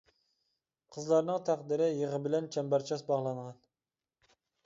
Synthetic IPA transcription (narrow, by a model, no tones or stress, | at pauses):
qʰəzlˠɑɾnɨŋt̪ʰæqd̪ɪɾɪjeʁəbɪlɛnt͡ʃʰɛmbæɾt͡ʃʰɑsbɑʁlˠɑɴʁɑn